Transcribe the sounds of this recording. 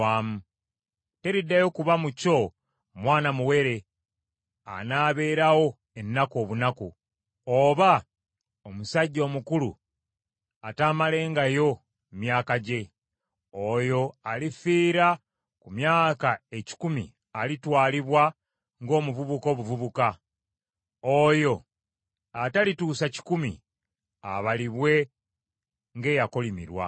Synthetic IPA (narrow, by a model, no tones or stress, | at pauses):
aːmu | te̞ɾidːajo̞kuβamuco̞ | mwaːnamuwe̞ɾe̞ | a̰naːβe̞ːɾawo̞ | e̞nːako̞ːβunaku | oβa | omusaɟːo̞ːmukulṵ | ataːmale̞ːŋɡajo̞ | mjaːkaɟe̞ | ojo̞alifiːɾa | kumjaːkae̞ci̥kumḭ | alitwaːliβwa | ŋɡo̞ːmuvuβuko̞ːβuvuβuka | ojo̞ | atalituːsaci̥kumḭ | aβaliβwe̞ | ŋɡe̞ːjako̞limḭɾwa̰